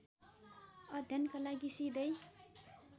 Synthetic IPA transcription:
ʌd̪ʱjʌnkalaɡisid̪ʌj

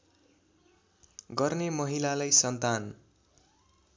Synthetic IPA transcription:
ɡʌrnemʌɦilalajsʌnt̪an

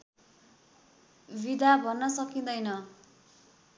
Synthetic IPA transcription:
bid̪ʱabʱʌnːʌsʌkĩd̪ʌjnʌ

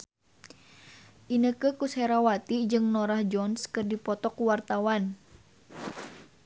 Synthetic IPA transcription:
ʔinəkəkusɛɾawat̪id͡ʒɨŋnɔɾahd͡ʒɔnskɨrdipɔt̪ɔkuwart̪awan

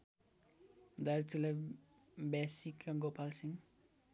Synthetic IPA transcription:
d̪aɾtule | bɛsikaɡopalsiŋ

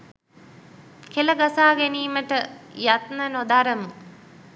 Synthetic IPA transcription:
keləɡasaːɡeniːməʈəjat̪nənod̪aɾəmu

